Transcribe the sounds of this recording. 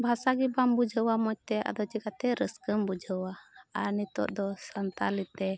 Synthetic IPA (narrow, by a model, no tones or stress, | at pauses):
bʱasaɡibambud͡ʒʱəwamɔc̚t̪ɛʔa̰d̪ɔt͡ʃiɡat̪ɛɾəskəmbud͡ʒʱəwaaɾnit̪ɔ̰ʔd̪ɔsənt̪alit̪ɛ